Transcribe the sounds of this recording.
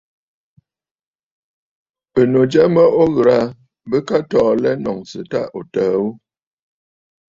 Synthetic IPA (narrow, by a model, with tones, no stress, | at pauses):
ə˨no˨d͡ʒɛ˦mə˦ʔo˦ɣɾa˨ | bə˦ka˦tɔː˨lɛ˦nɔ˨ŋsɨ˨ta˦ʔo˨təː˨˦u˦